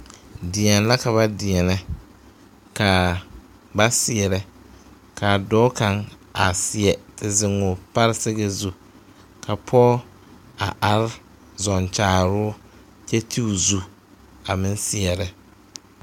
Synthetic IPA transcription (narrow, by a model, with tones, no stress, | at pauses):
dɪ˨ɛ˨n˦la˦ka˨βa˦dɪ˨ɛ˨nɛ˦ | ka˨ | ba˦sɪ˨ɛ˨ɾɛ˦ | ka˨dɔː˦ka˨ŋ | a˨sɪ˨ɛ˨tɪ˨zɪ˨ŋʊ˨pa˦ɾsɪ˦ɣe˦zu˦ | kʰa˨pʰɔː˦ | a˨ʔa˨ɾ | zɔ˨nt͡ʃaː˨˦˨ɾʊː˦ | t͡ʃɛ˦tʰi˦u˨zu˦ | a˨mɪ˦n˦sɪ˨ɛ˨ɾɛ˦